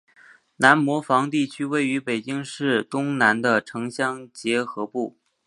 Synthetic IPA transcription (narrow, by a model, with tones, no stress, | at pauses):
na˧˥nmwɔ˧˥fɑ˧˥ŋt̪i˥˩t͡ɕʰy˥we˥˩ɪy˧˥pe˨˩ɪt͡ɕi˥ŋʂɻ̩˥˩t̪ʊ˥ŋna˧˥nd̪ə˧ʈ͡ʂʰɤ˧˥ŋɕjɑ˥ŋt͡ɕjɛ˧˥xɤ˧˥pu˥˩